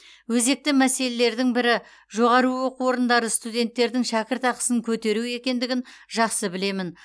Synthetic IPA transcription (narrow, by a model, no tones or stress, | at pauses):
wɵze̞k̚t̪ɪmæse̞le̞le̞ɾd̪ɪŋbɪɾɪ | ʒo̞ʁɑɾuwoquwo̞ɾənd̪ɑɾəst̪ud̪ʲe̞nt̪ːe̞ɾd̪ɪŋʃækʲɪɾt̪ɑqə̥səŋkʲʰɵt̪e̞ɾue̞kʲe̞nd̪ɪɡʲɪnʒɑqsəbɪle̞mɪn